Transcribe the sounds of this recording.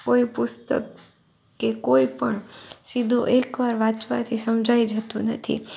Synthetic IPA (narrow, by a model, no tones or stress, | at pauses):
koipʊst̪ə̰kː | ekoipəɳsid̪ʱũʔekʋaɾʋãt͡ʃʋa̰t̪ʰisəmd͡ʒʱaid͡ʒət̪ũnət̪ʰḭ